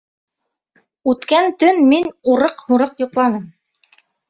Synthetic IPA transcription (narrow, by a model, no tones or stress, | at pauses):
ʉt̪kænt̪ɵnminuɾɤqhuɾɤqjŭqlˠɑnɤm